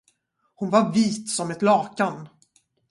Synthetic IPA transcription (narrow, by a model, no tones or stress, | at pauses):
hʊnvaɾviːt̪sɔmɛt̪lɑːkan